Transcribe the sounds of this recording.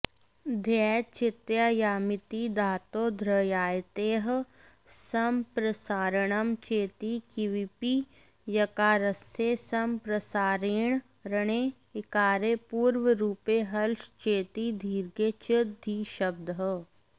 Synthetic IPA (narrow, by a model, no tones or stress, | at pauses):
d̪ʱɛːt͡ʃɪt̪jaːjaːmɪt̪id̪ʱaːt̪oːd̪ʱɾəjaːjt̪eːɦ | sɐmpɾɐsaːɾəɳəmt͡ʃeːt̪ikiʋipi | jɐkaːɾəsesɐmpɾɐsaːɾeːɳ̃ | ɾɐɳeː | ɪkaːɾepuːɾʋəɾuːpeːɦɐlʃt͡ʃeːt̪iːd̪ʱiːɾɡeːt͡ʃɪd̪ʱiːʃɐb̚d̪əɦə